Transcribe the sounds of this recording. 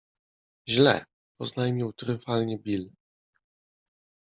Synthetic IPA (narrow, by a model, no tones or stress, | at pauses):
ʑlɛ̰ | ɔznajmʲiwt̪ɾɘfalɲɛbʲil